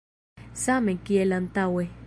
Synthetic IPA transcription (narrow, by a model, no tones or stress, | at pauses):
samẽkiɛlant̪awe